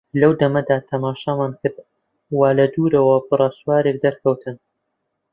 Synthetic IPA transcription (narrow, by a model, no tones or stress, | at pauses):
lɐwd̪ɐmɐd̪aːt̪ʰɐmaːʃamaːnkɨɾd̪̚ | waːlɐd̪uːɾɐwɐbɨrˤaswaːɾek̚d̪ɐɾkʰɐwt̪ʰɨn